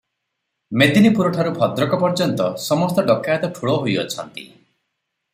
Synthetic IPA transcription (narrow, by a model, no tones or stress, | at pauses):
med̪inipuɾɔʈʰaɾubʱɔd̪ɾɔkɔpɔɾd͡ʒɔnt̪ɔsɔmɔst̪ɔɖɔkːajat̪ɔʈʰuɭɔɦojɔ̰t͡ʃʰɔnt̪ḭ